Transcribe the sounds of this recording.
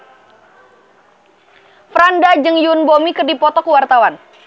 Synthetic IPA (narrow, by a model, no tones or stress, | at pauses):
fɾandad͡ʒɨŋjunbomikɨrdipɔt̪ɔkəwart̪awan